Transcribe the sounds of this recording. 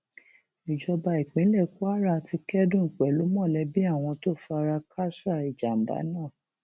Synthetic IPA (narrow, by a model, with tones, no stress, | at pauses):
i˨d͡ʒɔ˧ba˧i˨k͡pẽ˨˦lɛ˦˨ku˦a˦ɾa˦˨ti˧kɛ˦dũ˦˨ŋ̩˨k͡pɛ˨lu˨˦mɔ̃˦˨lɛ˨˦bi˦a˦˨w̃ɔ̃˧to˦˨fa˧ɾa˧kʰa˦sa˦˨i˨d͡ʒa˨n̩˨da̰˨˦nãː˦˨